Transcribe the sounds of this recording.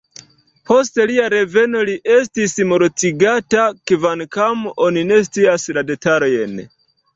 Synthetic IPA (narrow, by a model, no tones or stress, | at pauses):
po̞ste̞liaɾe̞ve̞no̞liʔe̞s̬tismo̞ɾt͡siɡatakevankamo̞nine̞s̬t͡siaslade̞taɾojen